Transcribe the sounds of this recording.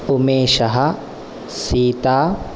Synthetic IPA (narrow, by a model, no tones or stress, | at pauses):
ʊmeːʃɐɦɐ | siːt̪aː